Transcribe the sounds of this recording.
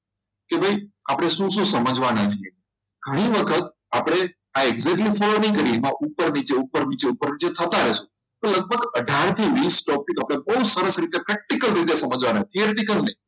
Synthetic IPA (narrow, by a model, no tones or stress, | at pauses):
kebʱajapɽ̃eʃũʃũsəməd͡ʒʋanat͡ʃʰie | ɡ̥ʱəɽ̃iʋəkʰət̪ | apɽ̃e | aeɡzeʈlifolonikəɾimãʔupːəɾnit͡ʃeupəɾnit͡ʃeupəɾnit͡ʃet̪ʰət̪aɾɛʃũ | pələɡ̚bʱəɡəɖʱaɾt̪ʰiʋisʈɔpikapɽ̃ebəɦusəɾəsɾit̪epɾɛk̚ʈikəlɾit̪esəməd͡ʒʋanat̪ʰiəɾʈ̪ikəlnəi